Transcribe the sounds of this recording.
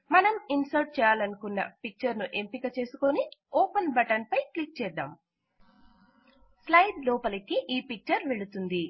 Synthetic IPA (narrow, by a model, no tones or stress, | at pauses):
mɐnɐminsɐɾʈ̚t͡ʃɛːjaːlɐnukunːɐ̰pik̚t͡ʃɐɾnuʔe̞mpikɐt͡ʃe̞ːsuko̞niɔːpɐnbɐʈɐnpɐjklik̚t͡ʃɛːd̪a̰ːm | slɐjɖlɔːpɐlɐkiʔiːpik̚t͡ʃɐɾʋeɭut̪und̪i